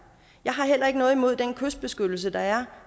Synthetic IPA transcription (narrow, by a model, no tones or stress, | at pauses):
jɑ̈ɪɦɑ̈ɦel̰ɐe̝ɡ̥ənɔ̽ːð̞̩ˠimo̝ð̞̰ˠd̥enkʰøsd̥̚b̥e̝sɡ̥ød̥l̩s̬əd̥ɑ̈æɐ